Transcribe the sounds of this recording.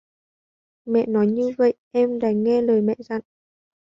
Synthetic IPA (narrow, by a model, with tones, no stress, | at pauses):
mɛ̰˧˨nɔ˨˦jɲɨ˧və̰˧˨jʔɛ˧mɗaː˨˩ŋŋɛ˧ləː˨˩jmɛ̰˧˨za̰˧˨n